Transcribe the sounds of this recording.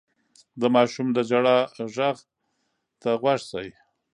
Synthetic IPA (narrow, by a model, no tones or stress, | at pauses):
d̪əmɑʃumd̪əd͡ʒaɽaʒaɣ | t̪aɣwaʂsaj